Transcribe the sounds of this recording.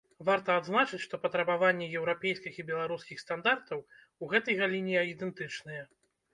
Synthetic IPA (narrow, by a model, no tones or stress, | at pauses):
vart̪ɐːd̪znat͡ʂɨt͡sʲʂt̪ɔpɐt̪ɾɐbavanʲːɛjɛwɾapʲɛjskʲixibʲɛlˠaɾuskʲixst̪and̪art̪ɐw | uɣɛt̪ɐjɣalʲinʲijɐid̪ɛnt̪ɨt͡ʂnɐjɛ